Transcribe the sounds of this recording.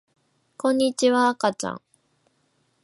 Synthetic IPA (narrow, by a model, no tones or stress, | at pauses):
kõ̞ɲ̟ːit͡ɕiβaːkat͡ɕã̰ŋ